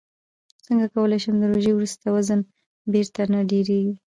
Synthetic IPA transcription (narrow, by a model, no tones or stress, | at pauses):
səŋɡakawəlajʃəmd̪əɾoʒejwɾust̪awazən | beɾt̪anaɖeɾeɡi